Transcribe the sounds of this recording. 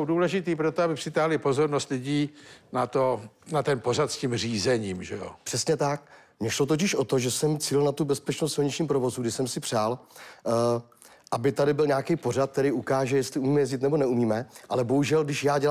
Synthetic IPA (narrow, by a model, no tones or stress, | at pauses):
owduːlɛʒɪt̪iːpɾot̪oabɪprɪt̪aɦlɪpo̞zo̞ɾnost̪lɪɟiːnat̪onat̪ɛnporat̪scimriːzɛɲiːmʒɛo̰pr̥ɛsɲɛt̪ak̚ | mɲɛʃlo̞t̪oc̬ɪʃʔo̞t̪o̞ʒɛsɛmt͡silnat̪ubɛspɛt͡ʃnost̪sɪlɲɪt͡ʃɲiːmpɾo̞vo̞zuɡdɪʃsɛmsɪpr̝̥aːl | ʔabɪt̪adɪbɪlɲaːkɛjpo̞rat̪̚kt̪ɛɾijukaːʒɛjɛst̪lɪumiːmɛjɛzɟɪt̪nɛbo̞nɛumiːmɛʔalɛbo̞ɦuʒɛlɡdɪʃjaːɟɛl